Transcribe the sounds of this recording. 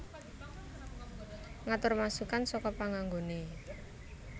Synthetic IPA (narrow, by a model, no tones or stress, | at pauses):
ŋat̪ʊrmasukansɔkɔpaŋaŋɡone